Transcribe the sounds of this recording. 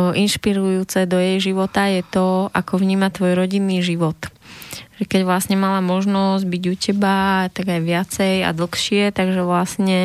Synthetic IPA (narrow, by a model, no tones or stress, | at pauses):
ʔinʃpiɾujuːt͡sɛd̪ɔjɛjʒiʋɔt̪ajɛt̪ɔʔakɔʋɲiːmat̪ʋɔjɾɔɟinːiːʒiʋɔt̪ʒ̥ɛkɛɟʋlasɲɛmalamɔʒnɔzɟbiɟucɛbat̪aɡajʋɪat͡sɛja̰d̪l̩xʃɪɛt̪aɡʒɛʋlasɲɛ